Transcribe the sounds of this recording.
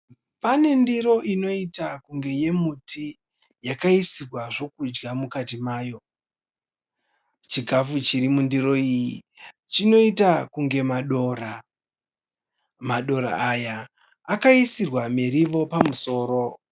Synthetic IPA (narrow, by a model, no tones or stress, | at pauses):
pane̞ndiɾo̞ʔino̞itakuŋɡe̞je̞mutʰi | jakaisirwaʐo̞kud͡ʒɡamukatimaːjo̞ | t͡ʃiɡʱafut͡ʃiɾimundiɾo̞iji | t͡ʃino̞itakuŋɡe̞maɗo̞ra | maɗo̞ɾa̰ːjaː | kaisirwameɾiʋo̞pamuso̞ːɾo̞